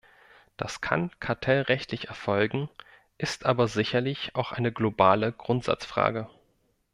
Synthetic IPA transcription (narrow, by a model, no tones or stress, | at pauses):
d̥askʰa̰nkʰaɐtʰɛlʁɛçtʰlɪçɛɐfɔlɡŋ̩ | ʔɪstʔaːbɐzɪçɐlɪçaʊxʔa̰ɪnəɡlobaːləɡ̥ʁʊntz̥a̰t͡sfʁ̥a̰ːɡə